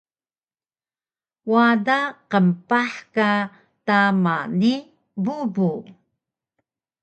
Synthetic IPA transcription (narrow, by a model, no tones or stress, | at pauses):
wadaqəmpaħka | tamani | bubu